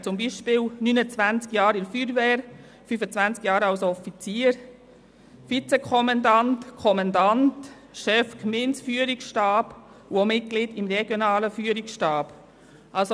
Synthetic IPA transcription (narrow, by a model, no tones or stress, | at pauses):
t͡sʊmbiʃpɪːwnynət͡sʋænt͡skjɑːɾɪɾfyːɾvɛːɾ | fyfət͡sʋænt͡skjɑːɾɑlsɔfit͡siːəɾ | fit͡sɛkʰɔmɑndɑntkʰɔmɑndɑnt | ʃɛfkmɪnsfyːəɾiksʃtɑːb̥ | uomɪt̚ɡ̥lɪd̥ɪmɾɛɡ̥jonɑːləfyːəɾiksʃtɑːb̥ | ʔɑls